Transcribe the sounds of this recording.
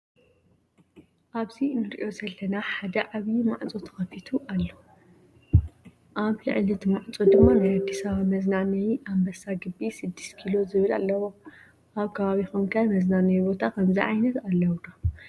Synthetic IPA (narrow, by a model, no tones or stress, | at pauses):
ʔaβzinːɨɾiʔo̞zɐlːɐnaħad̪ɐʔaβjimaʕt͡sʼot̪ʰɐ̥xɐfit̪ʰuʔalːo | ʔaβlɨ̰ʕlit̪ʰmaʕt͡sʼod̪ɨmːanajad̪ːisaβamɐznanɐjʔambɐsaɡɨbːisɨd̪ːi̥st̪kʰilo̞zɨβɨla̰lːɐwo̞ | ʔaβkʰɐβaβixumkʰajmɐznanɐjbo̞t̪ʰakʰɐmziʕajnɐt̪alːɐwd̪o